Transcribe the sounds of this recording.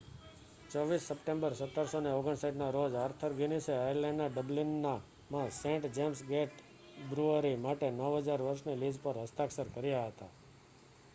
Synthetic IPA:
t͡ʃɔʋisːəpʈẽmbəɾsət̪ːəɾsoneoɡəɳsajʈnaɾod͡ʒaɾt̪ʰəɾɡiniseajəɾlẽɳɖnaɖəblinːa | mãsẽɳʈd͡ʒemsɡeʈ | bɾuəɾimaʈenəʋɦəd͡ʒaɾʋəɾʃnilid͡ʒpəɾɦəst̪aksəɾkəɾjaɦət̪a̰

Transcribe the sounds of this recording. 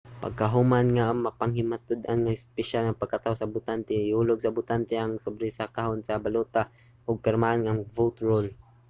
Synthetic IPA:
pa̰ɡ̚kaɦʊmanŋamapaŋhɪmat̪ʊd̪ʔa̰nŋaɪspɛʃalnapaɡ̚kat̪aosabʊt̪ant̪ɛuloɡsabʊt̪ant̪ɛʔaŋsʊbɾɪsakahonsabalut̪a | ʔʊɡ̚pɪɾmaʔanŋaŋvowt̪ɹol

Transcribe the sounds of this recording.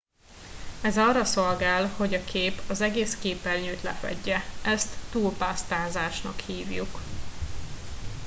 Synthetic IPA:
ɛzɒːrːɒso̞lɡaːlho̞ɟɒkʰeːpɒzɛɡeːskeːpɛlɲyːt̪lɛ̰fɛ̰ɟːɛʔɛst̪ːuːlpaːst̪aːzaːʃnɒ̰khiːvjṵk

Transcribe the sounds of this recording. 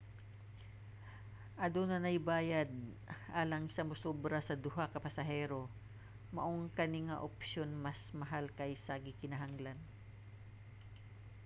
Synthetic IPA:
ʔɐd̪onɐnɐjbaːjad̪̚ | ʔaːlɐŋsɐmʊsobɾɐsɐd̪ʊɦakɐpɐsɐɦɛːɾo̞ | mɐʔoŋkɐnɪŋaʔopʃo̞nmɐsmɐɦalkɐjsɐɡɪkɪnɐɦaŋlan

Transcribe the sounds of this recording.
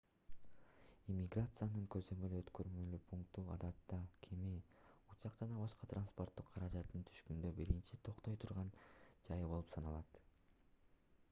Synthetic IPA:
imʲiɡrat̪sɨjanɯŋkøzø̞mø̞lyøt̪kø̞ɾmølyːpʰuŋkt̪uɑ̰d̪ɑt̪ːɑkʰemiut͡ʃɑqd͡ʒɑnɑbɑʃqɑt̪ranspo̞rt̪ːuqʰːɑɾɑd͡ʒɑt̪ːɯnt̪ʰy̥ʃkynd̪øbiɾint͡ʃit̪ʰo̞qt̪o̞jt̪ʰuɾʁɑnd͡ʒɑjɯbo̞lˠupsɑnɑlˠɑt̪

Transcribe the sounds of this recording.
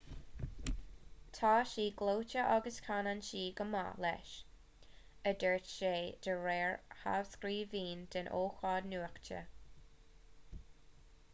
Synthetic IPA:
tʰaːʃiːɡloːt͡ʃəʔaɡəskʰananʃiːɡəma̰lɛ̰ʃ | ədəɹtʃeːd̪̥əɹɛːɹha̰vskɾiːviːnd̪̥ənʔoːxɑdnuːəxt͡ʃə̰

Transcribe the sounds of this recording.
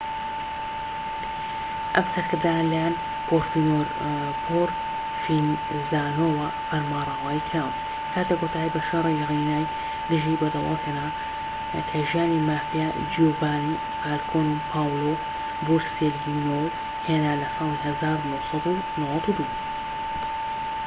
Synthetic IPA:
ʔɐmsɐɾkɨɾd̪aːnlɐjaːn | boɾfinoːɾ | pʰoːɾ | fin | zaːnoːwɐ | fɐɾmaːrˤɑːwaːikʰɾaːw | kʰaːt̪ekot̪ʰaːjbɐʃɑɾˤiɣinaːj | d̪ɨʒibɐd̪ɑwɑ̰lheːnaː | kʰɐʒijaːnimaːfija | d͡ʒoːvaːni | faːlkʰoːnpʰaːwloː | buɾselinow | heːnaːlɐsɑːlˠiɦɐzaːɾunosˤɑd̪u | nowɐt̪ud̪u

